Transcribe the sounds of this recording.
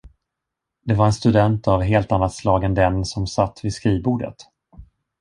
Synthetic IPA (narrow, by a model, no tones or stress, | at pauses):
d̪̥ɛvaɾɛnst̪ɵd̪ɛnt̪avɦeːlt̪anːat̪slɑːɡənd̪ɛnsɔmsat̪ːvɪskɾiːvbuːɖə̰t̪